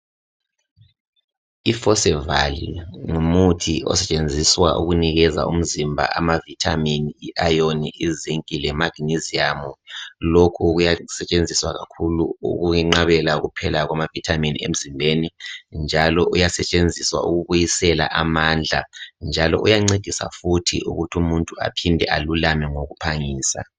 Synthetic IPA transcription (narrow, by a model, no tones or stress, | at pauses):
ifɔsɛvalḭŋumutʰiɔ̰sɛt͡ʃʼend͡zʱiswa̰ʔṵɣuniɣɛza̰ṵm̩zimbʱa̰ʔamavitʰaminiiʔajoniʔiziŋkʼilɛmaɡ̥iniziamɔlokʰuɣujasɛt͡ʃʼend͡zʱiswa̰ɣa̰kʰuluṵɣuŋɛŋ͡ǃaβɛlaɣupʰɛlaɣwamavitʰaminḭḛm̩zimbʱenind͡ʒʱalɔʔujasɛt͡ʃʼend͡zʱiswa̰ʔuɣuβujisɛla̰ʔamaːnd͡ɮʱand͡ʒʱalɔʔujaŋ͡ǀed̥ʱisa̰futʰḭʔṵɣutʰumuntʼua̰pʰindʱɛʔalulamɛŋoɣupʰaŋiːsa̰